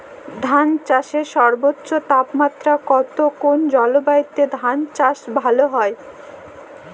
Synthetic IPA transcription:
d̪ʱant͡ɕaʃeɾʃɔɾbotːɕot̪apmat̪ːɾakɔt̪okond͡ʑɔlobait̪ːed̪ʱant͡ɕaʃbʱaloɦɔe

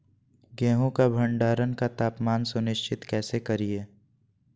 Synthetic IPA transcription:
ɡɛ̃ːɦõkabʱə̃ɳɖaːɾənkat̪aːpmaːnsʊnɪʃt͡ʃʰɪt̪kɛːsekɐɾieː

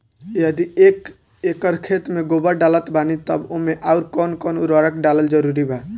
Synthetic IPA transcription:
jəd̪iek | ekəɾkʰet̪meɡobəɾɖalət̪banit̪ə̰bomeʔaʊɾkɔnkɔnuɾɔɾəkɖaləld͡ʒəɾuɾibʱɛ

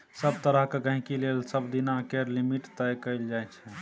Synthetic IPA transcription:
səb̚t̪əɾəɦkeɡə̃ɦĩkilelsəbd̪inakeɾlimiʈt̪əjkəɪld͡ʒajt͡ʃʰɛ

